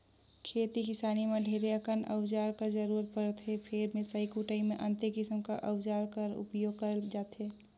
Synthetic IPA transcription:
kʰeːt̪ikɪsaːnimeɖʱeːɾeəkənə̰wd͡ʒaːɾkad͡ʒəɾuːɾət̪̚pəɾt̪ɦepʰeɾmẽsəikuʈəimẽʔə̃nt̪ekɪsəmkaʔə̰wd͡ʒaːɾkəɾʊ̰pjoːɡ̚kəɾəld͡ʒaːt̪ɦeː

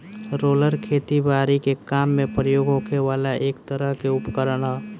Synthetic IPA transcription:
ɾoːləɾkʰeːt̪ibaːɾikekaːmːẽpɾəjoːɡokʰeʋaːlaʔeːkt̪əɾəɦkeʊpkəɾɽaː

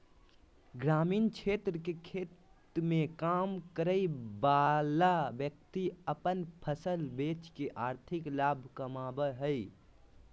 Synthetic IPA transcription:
ɡɾaːmiːnt͡ʃʰeːt̪ɾəkekʰeːt̪ | mẽkaːmkəɾəibaːlabjək̚t̪iəpənpʰəsəlbeːt͡ʃkeʔaːɾt̪ʰɪklaːbʱkəmaːbəɦəi

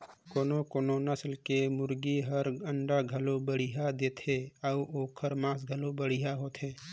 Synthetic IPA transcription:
koːnokoːnonəslkemʊɾɡiɦəɾəɳɖaɡʱəlobəɽ̤iɦad̪eːt̪ʰeəuoːkʰəɾmãːs̬ɡʱəlobəɽiɦaɦoːt̪ʰɦeː

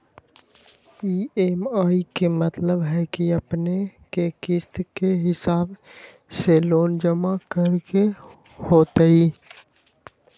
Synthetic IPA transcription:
iːemaːikemət̪ləbɦɛkiəpnekekɪst̪keɦɪsaːb | seloːnd͡ʒəmakəɾke | hoːt̪eiː

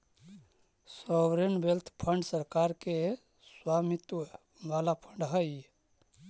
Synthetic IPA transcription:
sɔʋɾenbelt̪ʰpʰəɳɖsəɾkaɾke | swamit̪ | ʋalapʰəɳɖɦəj

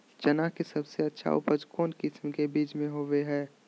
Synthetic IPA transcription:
d͡ʒɐnakisɐbseɐtːʃʰa̰ʔʊ̰pəd͡ʒkɔːnkɪsmkebiːt͡ʃmẽɦoːʋeɦɛː

